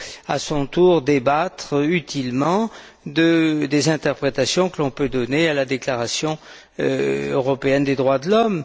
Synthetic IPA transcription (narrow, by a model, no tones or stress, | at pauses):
a̰sɔ̃t̪uʁd̪ebat̪χyt̪ilmɑ̃ | d̪əd̪ezɛ̃t̪ɛʁpχet̪asjɔ̃kəlɔ̃pød̪ɔnealad̪eklaʁasjɔ̃ | øʁɔpeɛnd̪ed̪ʁwad̪əlɔm